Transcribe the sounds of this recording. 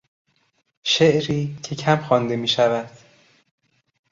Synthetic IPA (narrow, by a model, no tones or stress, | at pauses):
ʃe̞ʔɾiːcʰe̞cʰæmxɒːnd̪e̞miːʃævæd̪̥